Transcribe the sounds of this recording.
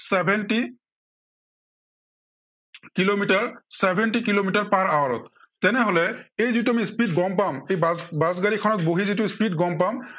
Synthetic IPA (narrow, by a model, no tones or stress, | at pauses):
sɛbʱɛnʈi | kilomitaɹsɛbʱɛnʈikilomitaɹpaɹawaɹɔ̰t̪̚ | tɛnɛɦolɛejzituamispitɡɔmpamejbazɡalikʰɔnɔt̚boɦizit̬uspitɡɔmpam